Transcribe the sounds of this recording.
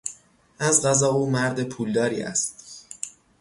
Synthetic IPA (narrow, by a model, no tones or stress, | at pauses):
ʔæzɢæzɒːuːmæɾd̪epʰuːld̪ɒːɾiːæ̰st̪